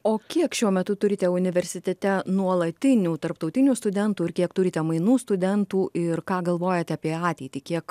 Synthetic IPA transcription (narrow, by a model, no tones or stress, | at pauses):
oːkʲiɛkʃʲuɔmʲɛt̪ʊt̪ʊɾʲɪt̪ʲɛʊnʲɪʋʲɛɾʲsʲɪt̪ʲɛt̪ʲɛnuɔlˠɐt̪ʲɪnʲuːt̪ɐɾpt̪ɒʊt̪ʲɪnʲuːst̪ʊd̪ʲɛnt̪uːɪɾkʲiɛkt̪ʊɾʲɪt̪ʲɛmɐɪnuːst̪ʊd̪ʲɛnt̪uːʔɪɾkɑːɡɐlˠʋoːjɛt̪ʲɛɐpʲiɛɑːt̪ʲɛɪt̪ʲiːkʲiɛk